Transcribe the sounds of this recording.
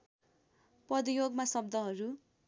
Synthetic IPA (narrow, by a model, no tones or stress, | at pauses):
prʌd̪ijoɡmasʌb̚d̪ʌɦʌɾu